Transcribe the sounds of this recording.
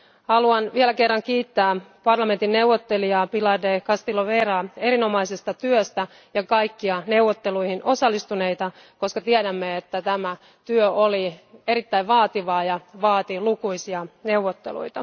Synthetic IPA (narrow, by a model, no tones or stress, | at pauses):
hɑluɑnʋiɛlækerːɑŋkiːt̪ːæːpɑrlɑme̞nt̪inːeuwʋːot̪ːeliɑpilɑrdekɑst̪iloʋeːrɑːeɾino̞mɑisest̪ɑt̪yøst̪æ | jɑkɑikːiɑne̞wʋːot̪ːeluihinʔo̞sɑlːist̪une̞it̪ɑ | ko̞skɑt̪iɛɾæmːeet̪ːæt̪æmæ | t̪yøolieɾit̪ːæiʋʋɑːt̪iʋɑːjɑʋɑːt̪ilukuisiɑneuwʋːot̪ːelṵit̪ɑ